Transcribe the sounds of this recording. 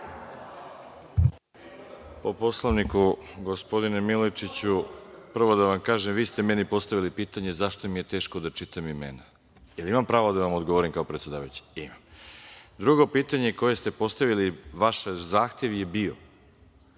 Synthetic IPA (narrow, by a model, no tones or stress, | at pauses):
po̞po̞slˠaʋnikuɡo̞spo̞d̪inemilot͡ʃit͡ɕupr̩ʋo̞d̪aʋamkaːʒemʋiːst̪e̞menipo̞st̪aʋilipiːt̪aɲe̞zaʃt̪omije̞t̪e̞ːʃkod̪at͡ʃit̪amimene | jelimampɾaːʋod̪aʋamod̪ɡoʋoɾimkaopɾet̪sʲe̞d̪aːʋajut͡ɕi̥imam | d̪ɾuɡo̞piːt̪aɲeko̞je̞st̪e̞po̞st̪aʋiliʋaʃzaːxt̪e̞ʋje̞bio̞̰